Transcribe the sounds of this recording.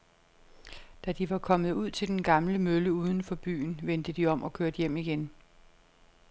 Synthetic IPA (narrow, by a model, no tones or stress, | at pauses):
d̥æd̥iʋɑ̈kʰɒ̽məð̞̩ˠuð̞̰ˠt͡sʰe̝ld̥enɡ̥ɑ̈mləmøləuːð̞ˠn̩fɒ̽b̥y̰ːn̩ʋend̥əd̥iɒ̽mʔɒ̽kʰøɐd̥jem̰iɡ̥en